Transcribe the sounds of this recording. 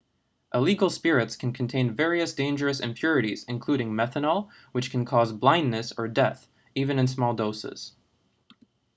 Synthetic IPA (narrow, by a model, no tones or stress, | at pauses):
ʔəliɡl̩ˠspɪɹɨtskʰn̩kʰn̩tʰẽɪ̃nvɛɹiɨsd̥ẽɪ̃nd͡ʒə˞ɨsɨ̰̃mpʰj̥ʊɹɨɾiz̥ɨ̃nkʰl̥uɾɪ̃ŋmɛθənəl̩ˠ | wɨt͡ʃkʰnkʰɔzblãɪ̃nːɨsə˞dɛθ | ivɨ̃nɨ̃nsmɔlˠdoʊsɪ̰z̥